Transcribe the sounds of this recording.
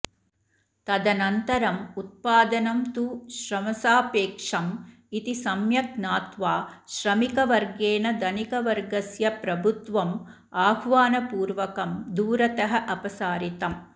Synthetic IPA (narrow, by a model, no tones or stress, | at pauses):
t̪ɐd̪ɐnɐnt̪ɐɾɐmut̪̚paːd̪ɐnɐmt̪uːʃɾɐmɐsaːpeːkʂɐm | it̪isɐmjɐknaːt̪ʋaːʃɾɐmikɐʋɐɾɡeːnɐd̪ɐnikɐʋɐɾɡɐsjɐpɾɐbʱut̪ʋɐm | aːɡʋaːnɐpuːɾʋɐkɐmd̪uːɾɐt̪ɐɦɐʔɐpɐsaːɾit̪ɐm